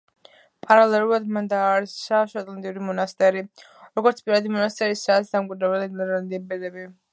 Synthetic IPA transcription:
pʼaɾalɛlˠulad̪mand̪aːɾisaʃat̪ʼlant̪ʼiuɾimɔnast̪ʼɛɾi | ɾɔɡɔɾt̪sʰpʼiɾad̪imɔnast̪ʼɛɾisaːt̪sd̪amkʼwid̪ɾɛbɛlid̪mɛɾland̪iɛbɛd̪ɛbi

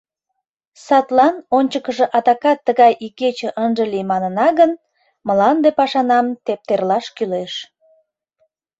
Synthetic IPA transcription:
sɑt̪lɑnonʲt͡ɕəkəʒĕʔɑd̪ɑkɑt̪ːəɣɑjʔiket͡ɕeʔənʒəlijmɑnənɑɣən | məlɑnd̪epɑʃɑnɑmt̪ep̚t̪erlɑʃkyleʃ

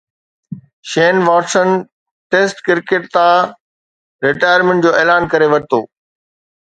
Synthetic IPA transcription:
ʃeːnʋaːʈsən | ʈeːsʈkɪɾkeʈ̚t̪ãː | ɾɪʈaːjəɾmẽɳʈ̚d͡ʑoːeːlaːnkɐɾeʋɐɾɪt̪oː

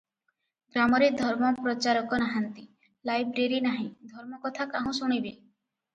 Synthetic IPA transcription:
ɡɾamɔɾed̪ʱɔɾmɔpɾɔt͡ʃaɾɔkɔnaɦant̪i | lajbɾeɾinaɦĩd̪ʱɔɾmɔkɔt̪ʰakaɦũsuɽ̃ibe

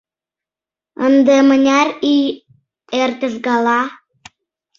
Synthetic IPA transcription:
ənd̪emənʲærij | ert̪ʲə̆ʒɡɑlɑ

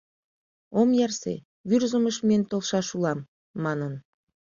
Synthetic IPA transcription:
omjɑrsḛ | βyrzəməʃmenʲt̪olˠʃɑʃulˠɑmː | ɑnən

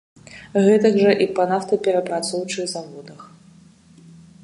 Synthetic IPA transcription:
ɣɛt̪ɐɡʐɐʔipɐnaft̪ɐpʲɛɾɐpɾat̪sɔwt͡ʂɨɣzavɔd̪ɐx

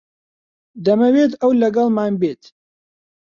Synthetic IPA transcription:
d̪ɐmɐweːt̪ɐwlɐɡɐlˠmaːnbeːt̪

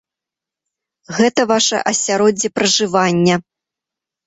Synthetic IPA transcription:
ɣɛt̪ɐvaʂɐ̰ʔɐsʲaɾɔd͡zʲːipɾɐʐɨvanʲːɐ

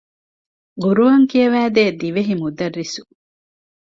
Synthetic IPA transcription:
ɡuɾuʋɐŋkiɐʋæːd̪eːd̪iʋeɦimud̪ɐrːisu̥

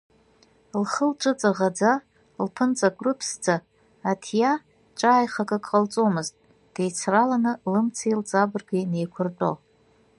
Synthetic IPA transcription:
lχəlʈ͡ʂʷʼɨt͡sʼaʁad͡za | lpʰɨnt͡sʼakʷʼrɨpʰsd͡zaː | tʰja | ʈ͡ʂʼaːjχakʼakʼqʼalt͡sʼo̞mɨztʼ | d̥ejt͡sʰralanɨlɨmt͡sʰailt͡sʼabɨrɡine̞jkʷʰʊrtʼo̰

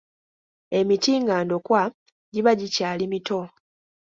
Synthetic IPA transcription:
e̞mitiːŋɡaːndo̞kwa | ɟiβaɟicaːlimito̞

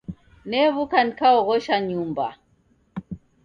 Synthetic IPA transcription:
nɛβukanikaɔɣɔʃaɲumba̰

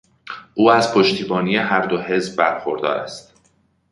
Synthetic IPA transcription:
ʔuːæzpʰo̞ʃt̪ʰiːbɒːnije̞ɦæɾd̪o̞he̞zbːæɾxoɾd̪ɒ̰ːɾæ̰st̪

